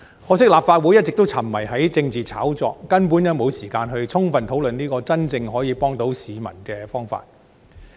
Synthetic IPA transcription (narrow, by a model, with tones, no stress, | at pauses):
hɔː˨˥s̬ɪ˥k̚laː˨p̚faː˧t̚wuː˨˥jɐ˥t̚t͡sɪ˨k̚t̪o˥wt͡sʰɐ˨˩mːɐ˨˩jɦɐ˨˥jt͡sɪ˧ŋt͡siː˨t͡sʰaː˨˥wt͡sɔ̰ː˧kːɐ˥npuː˨˥njɐ˨˧wmo˨˧wsiː˨˩kaː˧nɦɵ˧ɥt͡sʰʊ˥ŋfɐ˨˩nt̪ʰo˨˥wlɵ˨niː˥kɔː˧t͡sɐ˥nt͡sɪ˧ŋɦɔː˨˥jiː˨˧pɔː˥ŋt̪o˨˥wsiː˨mɐ̰˨˩nkɛː˧fɔː˥ŋfa̰ː˧t̚